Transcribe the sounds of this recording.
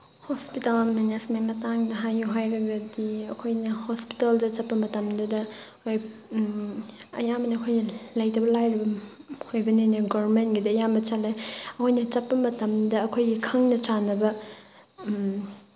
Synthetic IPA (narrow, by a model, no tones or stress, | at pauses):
hospitalmanasmajmɐtaŋdɐɦajuɦajɾeɡɐdiɐkʰojnɐhospi̥taldɐt͡ʃɐpːɐmɐtɐmdɐdɐ | kʰoj | ɐ̰jamɐnɐɐkʰojnɐlɐjtɐbɐlajɾibɐ | hojbɐnenɐɡoɾmentɡidɐːjambɐt͡ʃɐlːeɐkʰojnɐt͡ʃɐt̚pːɐmɐtɐmdɐɐkʰojɡikʰɐŋnɐt͡ʃanɐbɐ